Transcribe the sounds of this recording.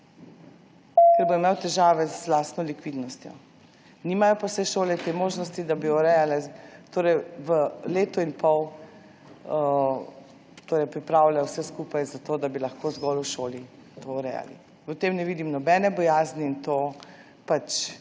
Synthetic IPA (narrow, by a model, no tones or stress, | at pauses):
kɛɾbɔimewt̪ɛʒaːʋɛzlast̪nɔlikʋid̪nɔst̪jɔ̰ | nimajɔpawsɛjʃoːlɛt̪emoːʒnɔst̪id̪abiɔɾɛjalɛt̪oːɾɛjʋəleːt̪ɔinpɔw | t̪oːɾɛjpɾipɾaːwlʲaɔwsɛskupajzat̪oːd̪abilɐxkozɡɔluʃoːli | t̪oɔɾɛ̰ja̰lḭ | ət̪emnɛʋiːd̪imnɔbɛnɛbɔjaːzniint̪o | pat͡ʃ